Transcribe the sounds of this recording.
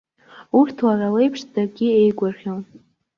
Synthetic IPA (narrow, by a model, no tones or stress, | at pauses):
urtʰwaʕale̞jpʰʂdaɡʲɪejɡʷʊrχʲol